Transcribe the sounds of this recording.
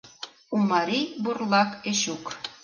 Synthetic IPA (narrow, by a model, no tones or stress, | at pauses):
umɑɾiburlˠɑkeʃuk